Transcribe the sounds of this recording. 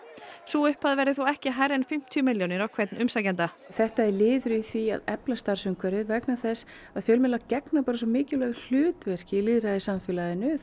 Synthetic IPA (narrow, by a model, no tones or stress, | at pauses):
suʏhpaðvɛɾɪθuɛhcɪɦajɾɛnfɪm̥t̪ʰjʏmɪljɔnɪɾawkʰvɛt̪nʔʏmsajcɛnt̪a | θɛht̪aɛɾlɪːðɾʏiθvia̰ðɛplast̪aɾsʏmkʰvɛɾɪðvɛknaθɛsː | aðfjœːlmɪnlacɛknapaːɾasɔmɪːcɪlœːɣl̥ʏːt̪vɛr̥cɪilɪðɾaðɪsamfɪlaðɪnʏ